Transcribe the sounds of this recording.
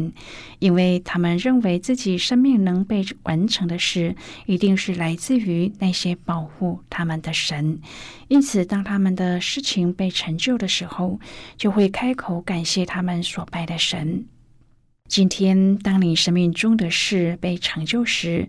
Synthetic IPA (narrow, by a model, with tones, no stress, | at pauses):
n | i˥nwe˥˩ɪt̪ʰa˥mə˨nɻə˥˩nwe˧˥ɪt͡sɹ̩˥˩t͡ɕi˨˩ʂə˥nmi˥˩ŋnɤ˧˥ŋpe˥˩ɪwʔa˧˥nʈ͡ʂʰɤ˧˥ŋd̪ə˧ʂɻ̩˥˩i˧˥t̪i˥˧ŋʂɻ̩˥˩la˧˥ɪt͡sɹ̩˥˩y˧˥na˥˩ɕjɛ˥pɑ˨˩ʊxu˥˩t̪ʰa˥mə˨nd̪ə˩ʂə˧˥n | i˥nt͡sʰɹ̩˨˩t̪ɑ˥ŋt̪ʰa˥mə˨nd̪ə˩ʂɻ̩˥˩t͡ɕʰi˧˥ŋpe˥˩ɪʈ͡ʂʰɤ˧˥ŋt͡ɕjo˥˩ʊɾə˩ʂɻ̩˧˥xo˥˧ʊt͡ɕjo˥˧ʊxwe˥˩ɪkʰa˥ɪkʰo˨˧˥ʊka˨˩nɕjɛ˥˩t̪ʰa˥mə˨nswɔ˨˩pa˥˩ɪɾə˩ʂə˧˥n | t͡ɕi˥nt̪ʰjɛ˥nt̪ɑ˥ŋli˧˩nʂə˥nmi˥˩ŋʈ͡ʂʊ˥ŋd̪ə˨ʂɻ̩˥˩pe˥˩ɪʈ͡ʂʰɤ˧˥ŋt͡ɕjo˥˩˧ʊʂɻ̩˧˥